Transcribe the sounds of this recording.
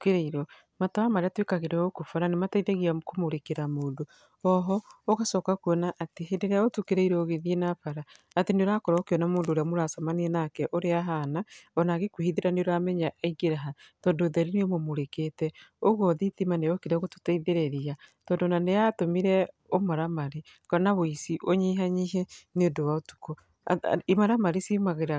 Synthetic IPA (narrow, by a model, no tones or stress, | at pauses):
keɾeiɾɔ | matawamaɾeatwekaɣeɾɛokofaɾanemataiðeɣiakomoɾekeɾamoːndo | ɔɦɔoɣasɔːkakwɔnaʔːteeneɾeaotukeɾeiɾooɣeðijenapaɾaːteneoɾakɔɾaokeɔnamoːndoːɾeamoɾasamaneɛnakɛʔoɾeaɦanaɔnaɣekuhiðeɾaneoɾamɛɲaʔiɡeɾaɦatɔːndoðɛɾiniomomoɾeketɛoɣwɔðitimanejɔkeɾɛɣotu̥taiðeɾeɾiatɔːndonaneatomiɾɛomaɾamaɾe | kanaβoisiʔoɲiɦaɲiɦɛnondowaotu̥ko | maɾamaɾisimaɣeɾa